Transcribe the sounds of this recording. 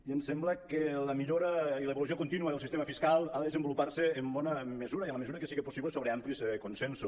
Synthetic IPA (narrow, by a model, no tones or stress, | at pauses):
iənsɛmbləkeləmiʎoɾəiləeβlus̬iokunt̪inuəðəlˠsist̪eməfiskalˠaðəðezembulupaɾseːmbɔnəmezuɾəiənləmeuɾəkesiɣepu̥siβlesoβɾeamplisɛkunsɛnsu